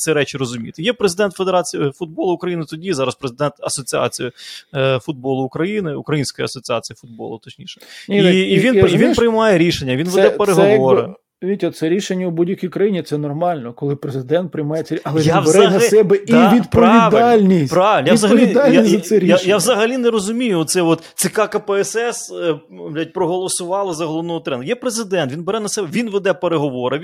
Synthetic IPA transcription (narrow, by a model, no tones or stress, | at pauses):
t͡s̪ʲsʲiɾɛt͡ʃɪɾɔzʊmʲḭt̪ɪjɛpɾezɪd̪ɛnt̪fed̪eɾɑt͡sʲijɪfʊd̪̚bɔlˠʊʊkɾɐjinɪt̪ɔdʲizɑɾɐspɾezɪd̪ɛnt̪ɐsɔt͡sʲiɑ̰t͡sʲijifʊd̪̚bɔlˠʊːkɾɐjinɪṵkɾɐjinsʲkɔjiɐsɔt͡sʲat͡sʲijifʊd̪̚bɔ̰lˠʊt̪ɔt͡ʃnʲḭʃɛ̥nʲiːʋinʋʲinpɾɪjmɑjeɾʲiʃenʲːɐʋʲinʋɛd̪ɛpeɾeɦɔɛʋɔɾɪ | ʋʲitʲɔt̪sɛɾʲiʃenʲːɐubudʲjɐkʲijkɾɐjinʲit̪sɛnɔrmɑlʲnɔkɔlˠɪpɾezɪɪd̪ɛnt̪̚pɾɪjmɑjet͡sʲɐɐlˠɛʋʲianʋezɾnɐsɛbɛdiʋʲid̪pɔʋʲiʋd̪ɑlʲnʲispɾaʋeljazɐɦɐlʲʋʲid̪alʲjassɛɾʲjjaʋzɐɦɐlʲineɾɔzʊmʲijʊt̪sɛɔt̪sʲɪkɑkɐpɛɛsɛsʲ | ɐit̚ʲpɾɔɦɔlˠɔsʊʋɑlˠɪzɐɦɔlˠɔʋnɔʊt̪ɾɛnd̪jɛpɾezɪd̪ɛnt̪ʋʲinbeɾɛnɐsɛbɛʋʲinʋed̪ɛpeɾeɦɔʋoɾɪ